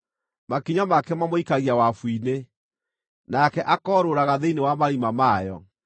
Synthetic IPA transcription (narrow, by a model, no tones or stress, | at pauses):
makiɲamakɛmamoikaɣiawafwine | nakɛʔakɔːɾoɾaɣaðeinewamaɾimamajɔ̰